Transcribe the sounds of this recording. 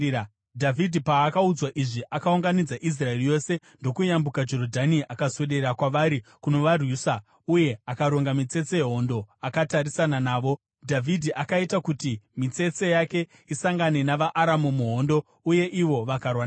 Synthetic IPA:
dʱavʱidʱipaːkaud͡zwaʔiʐiʔakauŋɡanid͡zaʔis̬rae̞rijo̞se̞ | ndo̞kujambukad͡ʒo̞ɾodʱaniʔakaswe̞ɗe̞ɾakwaʋaɾikuno̞ʋarwuːsa | uje̞akaɾo̞ŋɡamit͡se̞t͡sejeɦo̞ndo̞akataɾisananaːʋo̞ | dʱavʱidʱiʔakaitakutimit͡se̞t͡se̞jake̞ | isaŋɡane̞naʋaʔaɾamumuɦo̞ndo̞ | uje̞ʔiʋo̞ʋakarwan

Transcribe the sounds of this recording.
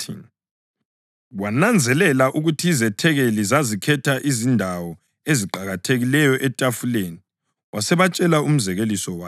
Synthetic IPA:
ḭ | wanand͡zʱɛlɛlaʔuɣutʰiːzɛtʰɛɣelizazikʰɛtʰaʔizindʱawɔ | eziǃaɣatʰeɣilɛjɔʔɛtʼafuleni | wasɛβat͡ʃʼɛlaum̩zɛɣelisɔwaː

